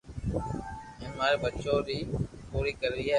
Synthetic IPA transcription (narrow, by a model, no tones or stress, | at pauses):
ənmaːɾeːbət͡ʃõːɾiːpuːɾiːkəɾɾiːa